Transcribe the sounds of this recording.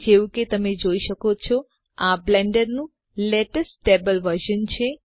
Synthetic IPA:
d͡ʒeʋũket̪əmed͡ʒoiʃəkot͡ʃʰɔ | ablɛ̃ɳɖəɾnũ | leʈəsʈebəlʋəɾʃənt͡ʃʰe

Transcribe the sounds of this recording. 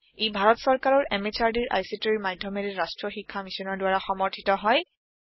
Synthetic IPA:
ejbʱaɹɔtsɔɹkaɹɔɹʔɛmet͡ʃʰaɹdiɹʔa̰jsitɔɹimajdʱːɔmeɹɛɹastɹɔxikʰːamisɔnɔɹdʊwaɹaxɔmɔɹtʰitɔɦɔj

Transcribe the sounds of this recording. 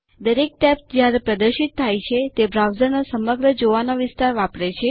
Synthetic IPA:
d̪əɾek̚ʈɛpsd͡ʒjaɾepɾəd̪əɾʃit̪ʰːajt͡ʃʰet̪ebɾawzəɾnosəməɡɾəd͡ʒoʋanoʋɪst̪aɾʋapɽet͡ʃʰe

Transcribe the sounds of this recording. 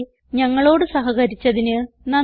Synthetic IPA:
ɲɐŋːɐɭo̞ːɽɨsɐɦɐɣɐɾit͡ɕːɐðinɨ | nɐ

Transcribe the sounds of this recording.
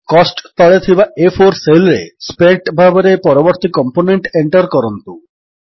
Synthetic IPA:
kɔsʈt̪ɔɭet̪ʰibaefʰoɾselɾḛspeʈbʱabeɾepɔɾoboɾt̪ikɔmponeɳʈeɳʈɔɾkɔɾɔnt̪u

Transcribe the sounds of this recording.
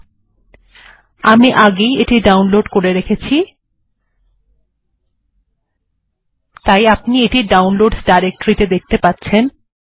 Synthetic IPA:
amiʔaɡejeʈiɖawnloɖkoɾeɾekʰet͡ɕʰi | t̪ajapnieʈiɖawnloɖsɖajɾek̚ʈoɾit̪ed̪ek̚t̪epat̪ːɕʰen

